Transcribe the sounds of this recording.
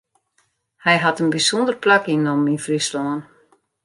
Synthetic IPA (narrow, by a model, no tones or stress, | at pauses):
hɛjɦatənbisɔndərplakinominfrislɔən